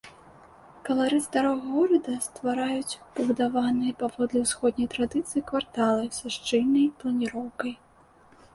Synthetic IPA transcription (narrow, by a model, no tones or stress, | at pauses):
kɐlˠaɾɨzd̪aɾɔɣɣɔɾɐd̪ɐst̪vaɾajut͡sʲpɐbud̪avanɨjɐpavɔd̪lʲɛwsxɔd̪nʲɐjt̪ɾad̪ɨt̪sɨjikvart̪alˠɐjsaʂt͡ʂɨlʲnɐjplˠɐnʲiɾɔwkɐj